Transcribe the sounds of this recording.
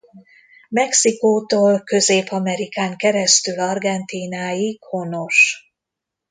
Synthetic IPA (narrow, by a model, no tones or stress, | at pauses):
mɛksikoːt̪oːlkøzeːpɒmɛɾikaːŋkɛɾɛst̪ylɒrɡɛnt̪iːnaːjikho̞no̞ʃ